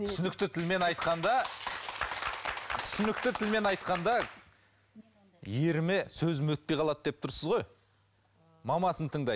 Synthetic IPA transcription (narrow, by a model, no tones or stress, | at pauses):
t̪ʰʏsʏnɪkt̪ɪt̪ʰɪlme̞nɑjt̪qɑnd̪ɑ | t̪ʰʏ̥sʏnɪk̚t̪ɪt̪ʰɪlme̞nɑjt̪qɑnd̪ɑ | jeɾɪmɪsɵzɪmwɵt̪̚pejqʰɑlˠɑt̪̚d̪ep̚t̪ʰʊɾsəzʁo̞j | mɑmɑsənt̪ʰəɴd̪ɑj